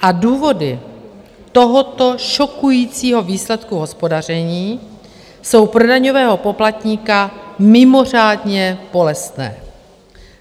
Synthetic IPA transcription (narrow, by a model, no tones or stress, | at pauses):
ʔaduːvo̞dɪ | t̪o̞ɦot̪o̞ʃo̞kujiːt͡siːɦo̞viːslɛt̪kuɦo̞spo̞dar̝ɛɲiː | so̞wpɾo̞daɲo̞vɛːɦo̞po̞plat̪ɲiːkamɪmo̞r̝aːdɲɛb̥o̞lɛst̪nɛ̰ː